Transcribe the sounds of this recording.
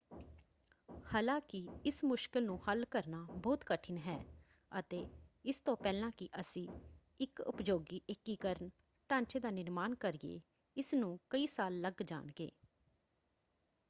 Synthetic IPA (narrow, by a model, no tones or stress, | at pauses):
haːlãːkɪɪsmʊʃkɪlnũːhəlkəɾnaːbɔːt̪kəʈʰɪnɦɛː | ət̪eːɪst̪õːpɛːlãːkɪʔəsĩː | ɪkʊ̰pd͡ʒoːɡiːʔekːiːkəɾən | ʈãːɲt͡ʃeːd̪aːnɪɾmaːnkəɾiḛː | ɪsnũːkəiːsaːlːəɡd͡ʒa̰ːnɡḛː